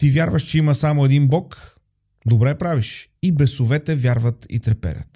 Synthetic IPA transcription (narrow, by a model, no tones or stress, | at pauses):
t̪ivʲjaɾvəʃt͡ʃɛiməsamoɛd̪inbɔk | d̪obɾɛpɾaviʃibɛsovɛt̪ɛvʲjaɾvət̪ḭt̪ɾɛpɛ̰ɾʲə̰t̪